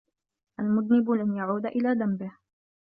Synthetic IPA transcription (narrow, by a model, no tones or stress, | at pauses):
ʔalmʊd̪nɪbʊlanjaʕuːd̪aʔɪlaːd̪ambɪh